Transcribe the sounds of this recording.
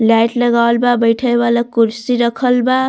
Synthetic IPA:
lajʈlʌɡawlbabʌjʈʰaebalakuɾsiɾʌkʰʌlba

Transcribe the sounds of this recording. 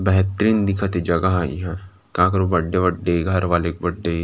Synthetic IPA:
bɛɦt̪ɾiːnd̪ɪkʰət̪id͡ʒɐɡaɦaːḭɦɛː | kãːk̬ɐɾobɐɖːebɐɖːeɡʱɐɾʋaːleːkbɐɖːe

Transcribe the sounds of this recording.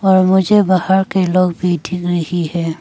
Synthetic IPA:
ɔɹmʊd͡ʒɛbahaɹkelɔɡbid̪ʱikɹihihɛ

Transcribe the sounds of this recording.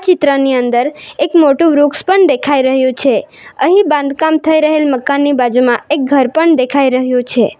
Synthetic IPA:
t͡ʃɪt̪ɾəniənd̪əɾekmoʈũʋɾukspəɳd̪ekʰaiɾəɦjũt͡ʃʰe | əɦibãnd̪kamt̪ʰəiɾəɦelməkanːibad͡ʒumãek̚ɡʱəɾpəɳd̪ekʰaiɾəɦjũt͡ʃʰe

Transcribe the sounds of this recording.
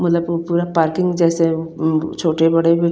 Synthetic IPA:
mɐt̪ləbpuːɾapaːɾkɪ̃ŋɡd͡ʒɛːset͡ʃʰoːʈebɐɽebʱi

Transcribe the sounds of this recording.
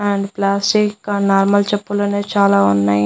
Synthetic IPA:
ɐɳɖplaːsʈikːnaːɾmɐlt͡ʃɛpːuloːneːt͡ʃaːlaːunːaːji

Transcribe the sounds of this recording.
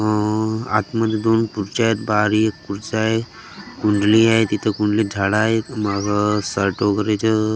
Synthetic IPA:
a̰t̪məd̪ʱjd̪onpuɾt͡ɕaet̪baɾiekːuɾt͡saɦe | kuɳɖliaɦet̪it̪ʰəkuɳɖlid͡zʱaɽaɦet̪maɡʱasəɾʈoɡəɾet͡ɕə

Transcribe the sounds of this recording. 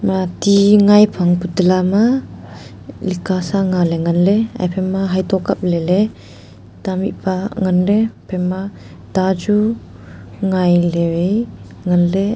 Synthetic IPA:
mat̪iŋajpʰaŋput̪lama | likasaŋaleŋanlea̰jpʰɛmːaɦajt̪ɔkap̚lele | t̪amḭʔpaŋanlepʰɛmːa | t̪ad͡ʒu | ŋajlewej | ŋanle

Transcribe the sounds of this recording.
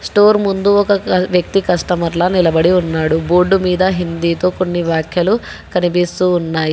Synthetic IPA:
sʈoːɾmund̪uɔkɐʋjɐk̚t̪ikɐʂʈɐmɐɾlɐnilɐbɐɽiunːaːɽuboːɖːumiːd̪ɐɦind̪iːt̪o̞ːkonːiʋjaːkʰjɐlu | kɐnip̬ist̪uːnːaːji

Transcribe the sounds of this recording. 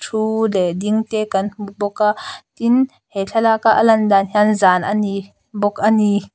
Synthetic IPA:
tʰulɛdiŋt̪ɛːkɐnbɔkaʔt̪in | hɛɬʰalakaʔalɐndanɦjanzaːnʔani | bɔk̚ani

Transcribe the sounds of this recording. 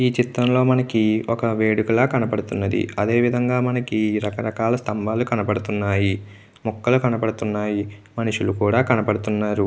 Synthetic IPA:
iːt͡ʃit̪ɾɐmlo̞ːmɐnɐkiɔkɐʋeːɽukulaːkɐnɐpɐɽut̪unːɐd̪ḭɐd̪e̞ːʋid̪ʱɐŋɡaːmɐnɐkiɾɐkɐɾɐkaːlɐst̪ɐmbʱaːlukɐnɐpɐɽut̪unːaːji | mɔkːɐlukɐnɐpɐɽut̪unːaːjimɐniʂulukuːɽaːkɐnɐpɐɽut̪unːaːɾu

